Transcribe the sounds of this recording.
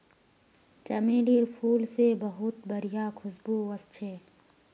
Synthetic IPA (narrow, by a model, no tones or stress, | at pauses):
t͡ʃɐmeːliːɾpʰuːlsebɐɦʊt̪̚bɐɾijakʰʊsbuːɐst͡ʃʰeː